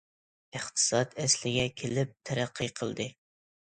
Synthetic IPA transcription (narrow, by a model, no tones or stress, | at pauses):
ɨχt̪ʰɨ̥sɑt̪ɛslɪɡʲɛkʲʰelɪp̚t̪ʰæɾæqːɨqʰəlˠd̪ɨ